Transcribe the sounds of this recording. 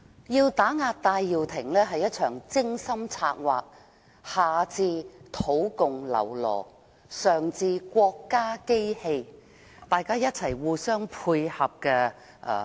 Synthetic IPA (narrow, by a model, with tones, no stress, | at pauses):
jiː˧wt̪aː˨˥ŋaː˧t̚t̪aː˧jːiː˨˩wt̪ʰɪ˨˩ŋlɛː˥ɦɐ˨jɐ˥t̚t͡ʃʰœː˨˩ŋt͡sɪ˥ŋsɐ˥mt͡sʰaː˧t̚waː˨k̚ | haː˨˩t͡siː˧t̪ʰo˨˥wkʊ˨ŋlɐ̰˨˩wlɔ̰ː˨˩ | sœː˨˩ŋt͡siː˧kʷɔː˧kːaː˥ke˥jhe˧j | t̪aː˨jkaː˥jɐ˥t̚t͡sʰɐ˨˩jwuː˨˧sœː˥ŋpʰuː˧jhɐ˨p̚kɛ˧ | ʔː